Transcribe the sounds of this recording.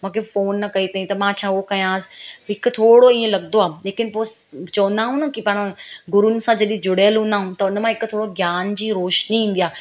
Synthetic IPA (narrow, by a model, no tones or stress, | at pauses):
mũːkʰefoːnːɐkɐit̪aɦĩt̪ɐmãt͡ɕʰaːokɐj̃ãːsɪ̥ɦɪkʊ̆t̪ʰoːɽoĩːẽlɐɠnd̪oaːleːkɪnɪpoːst͡ɕɐə̃nd̪aːɦũnəkipaːɽ̃ɡʊɾunɪ̆sãd͡ʑɐɗĩd͡ʑʊɽəjəlɦũnd̪aːɦũt̪ɐʊnmãɦɪkʊt̪ʰoːɽoɡjaːnd͡ʑiːɾoːʃniĩːn̆d̪ijaː